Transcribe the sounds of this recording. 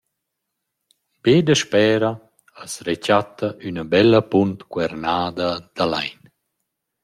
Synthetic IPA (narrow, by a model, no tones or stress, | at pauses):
beːd̪əʃpɛːɾa | əsɾet͡ʃat̪ːaʔynabɛlːəpunt̪kwɛɾnaːd̪ad̪̥ala̰jn